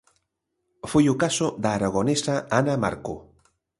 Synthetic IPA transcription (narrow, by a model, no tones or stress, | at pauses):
fejukasod̪aːɾaɣ̞onesaanama̰ɾko̰